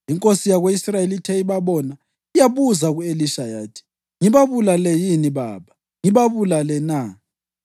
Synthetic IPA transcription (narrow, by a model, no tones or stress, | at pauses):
iŋkʼosijaɣweisrajelitʰɛiβaβɔna | ijaβuzaɣueliʃajaːtʰi̥ | ŋiβaβulalɛjiniβa̰ːβa | ŋiβaβulalɛna